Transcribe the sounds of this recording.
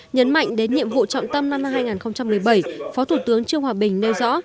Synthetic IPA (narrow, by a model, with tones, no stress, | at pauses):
ɲə˨˦nma̰˧˨jŋ̟ɗe˨˦nɲḭ˧˨əmɦo̰˧˨t͡ɕɔ̰˧˨wŋ͡mt̪ə˧mna˧mːa˧mɦaː˧jŋaː˨˩nxə˧wŋ͡mt͡ɕa˧mːɨ˨˩əjɓə˧˩jfɔ˨˦t̪ʰu˧˩t̪ɨ˨˦əŋt͡ɕɨ˧əŋhwaː˨˩ɓï˨˩ŋ̟ne˧wzɔ̰˧˥